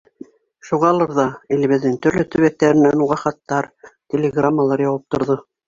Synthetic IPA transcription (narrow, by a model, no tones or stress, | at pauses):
ʃuʁɑlˠɤɾðɑilɘ̆βɘ̆ðːɘŋt̪ɵ̆ɾlɵt̪ɵ̆βæk̚t̪æɾɘ̆nænuʁɑχɑt̪ːɑɾt̪ʲelʲeɡramːəlˠɑɾjɑwɤp̚t̪ŏɾðɤ